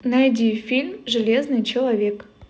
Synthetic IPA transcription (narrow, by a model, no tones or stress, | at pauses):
najdʲifʲilʲmʐɨlʲeznɨjt͡ɕɪlˠɐvʲe̞k